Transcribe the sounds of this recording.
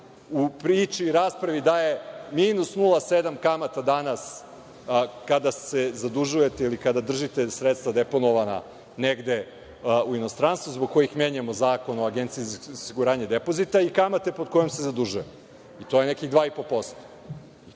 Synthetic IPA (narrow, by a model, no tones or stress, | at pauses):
upɾiːt͡ʃiɾaːspɾaʋid̪aje̞miːnusnulˠased̪amkamat̪ad̪anas | kad̪asezad̪uʒuje̞t̪eilikad̪ad̪r̩ʒit̪esɾet̪st̪vad̪epo̞noʋana̰ | neɡd̪e̞ | uino̞st̪ɾanst̪vuzboɡ̚ko̞jixmjeɲemo̞zaːko̞noaɡent̪siizosiɡuɾaːɲed̪epo̞zit̪aikamat̪e̞po̞d̪̚ko̞jomse̞zad̪uʒujem | it̪o̞jenekiɣd̪ʋaːipopo̞st̪o̥